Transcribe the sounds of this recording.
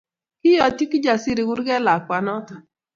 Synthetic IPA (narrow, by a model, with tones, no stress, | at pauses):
kɪ˦jɔ˨ti˦kɪ˦d͡ʒa˨sɪ˦ɾɪ˨ɡʊ˦ɾɡɛ˦la˨kwa˨nɔ˦tɔ˨